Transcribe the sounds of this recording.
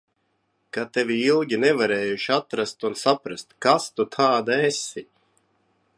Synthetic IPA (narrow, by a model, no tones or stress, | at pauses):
kat̪evʲiilˠɡʲinevaɾeːjuʃiat̪ɾast̪unsapɾast̪kast̪ut̪ʰaːd̪aesi